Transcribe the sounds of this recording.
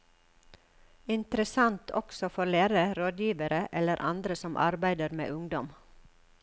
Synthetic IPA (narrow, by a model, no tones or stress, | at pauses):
ɪnt̪əɾəsɑnt̪ʰɔ̰ksɔfɔlæːɾəɾoːd̪jiːʋəɾəʔɛləɾʔɑ̰nd̪ɾəsɔmʔɑ̰ɾbæɪd̪əɾmḛːʔʉŋd̪ɔm